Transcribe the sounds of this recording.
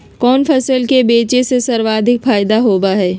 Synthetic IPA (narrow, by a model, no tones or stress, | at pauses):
kɔːnfʰɐsəlkebeːt͡ʃesesɐɾʋaːd̪ʱɪkfaːjd̪aɦoːbaɦɛː